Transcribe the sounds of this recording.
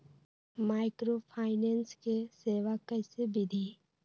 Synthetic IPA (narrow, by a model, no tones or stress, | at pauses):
maːɪkɾopʰaːɪneːnskeseːʋakəɪsebʱid̪ʱi